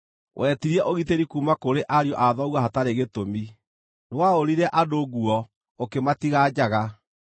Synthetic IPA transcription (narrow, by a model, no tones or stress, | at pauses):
wʔɛtiɾiɛʔoɣiteɾikumakoɾeʔaɾjɔʔaðɔɣwahataɾeɣetomi | newaoɾiɾɛʔadoɣuɔ | okematiɣaːd͡ʑaɣa